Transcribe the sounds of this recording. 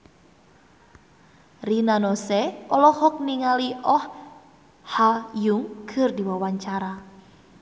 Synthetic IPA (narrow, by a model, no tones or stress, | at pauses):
rinanɔsɛɔlɔhɔk̚niŋaliʔɔh | hajuŋkʰɨrdiwawaɲt͡ʃaɾa